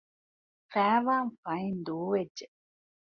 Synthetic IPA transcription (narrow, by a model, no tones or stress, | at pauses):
fæːʋaːnfɐind̪uːʋedːe